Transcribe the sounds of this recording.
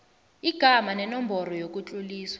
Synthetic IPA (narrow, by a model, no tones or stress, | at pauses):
iɡ̥ʱamanɛnɔmbʱɔɾɔjok̬ʼut͡ɬʼuliːswḁ